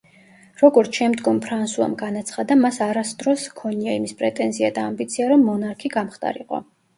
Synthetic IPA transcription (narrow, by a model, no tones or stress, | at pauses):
ɾɔɡɔɾt̪sʰʃɛmd̪ɡɔmpʰɾansua̰mɡanat̪sʰχad̪amasaɾasd̪ɾɔskʰɔniaimispʼɾɛt̪ʼɛnziad̪aːmbit̪sʰiaɾɔmːɔnaɾkʰiɡamχt̪ʼa̰ɾiqʼɔ̰